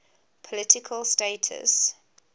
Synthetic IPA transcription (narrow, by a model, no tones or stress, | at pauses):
pʰɔlɪtɪkʰəlsteɪtʰə̰s